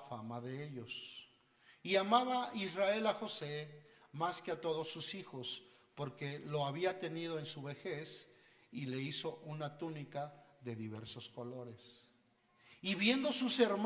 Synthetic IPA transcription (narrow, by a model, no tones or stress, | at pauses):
famaðe̞eʎo̞s | iamaβaisrae̞laxo̞se̞maskeat̪o̞ð̞o̞sːusixo̞spo̞ɾke̞lo̞aβiat̪e̞nið̞o̞e̞nsuβe̞xe̞sile̞iso̞ʔunat̪unikaðe̞ðiβe̞ɾso̞sko̞lo̞ɾe̞s | iβje̞nd̪o̞suse̞ɾm